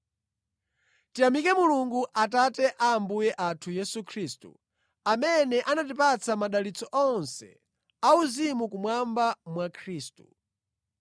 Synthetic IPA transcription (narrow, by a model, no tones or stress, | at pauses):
tijamikɛmuluŋɡuʔatatɛʔaːmbujɛʔatʰujɛsukʰɾistṵ | amɛnɛʔanat̬ipat͡sʰamaɗalit͡sɔʔɔnsɛ̰ | auzimukumwambamwakʰɾiːstu